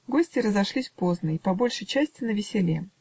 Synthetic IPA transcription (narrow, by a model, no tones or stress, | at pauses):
ɡo̞sʲtʲɪɾəzɐʂlʲisʲpo̞znəipɐbo̞lʲʂɨjt͡ɕæsʲtʲɪnəvʲɪsʲɪlʲe